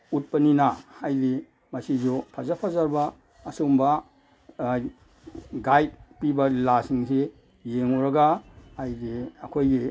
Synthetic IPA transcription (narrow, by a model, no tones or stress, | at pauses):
ut̚pɐninahajli | masizupʰazapʰazaɾbaː | sumba | ɡajt̚pibalasiŋse | jeŋuɾaɡahajdiɐkʰojɡi